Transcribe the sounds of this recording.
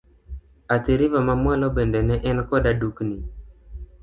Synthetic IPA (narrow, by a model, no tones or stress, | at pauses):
at̪eɾivamamwalɔɓɛndɛnɛʔɛnkɔɗaɗukni